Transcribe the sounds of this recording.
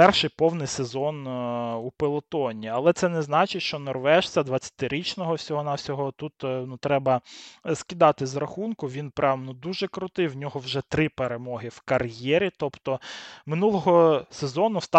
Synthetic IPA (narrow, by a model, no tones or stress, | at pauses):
pɛrʃɪjpɔwnɪjsezɔnupelˠɔt̪ɔnʲiɐlˠɛt̪sɛnɛznɑt͡ʃɪʃt͡ʃɔnɔrʋɛʃsʲɐd̪ʋɐt͡sʲːɐ̥t̪ɪɾʲit͡ʃnɔɦɔwsʲɔɦɔnɑwsʲɔɦɔt̪ut̪nut̪ɾɛbɐskʲid̪ɑt̪ɪzrɐxunkʊʋʲinpɾɑʋnɔd̪uʒɛkɾʊt̪ɪjwnʲɔɦɔwʒɛt̪ɾɪpeɾemɔɦɪwkɐrjɛɾʲit̪ɔpt̪ɔmɪnulˠɔɦɔsezɔnʊst̪ɑ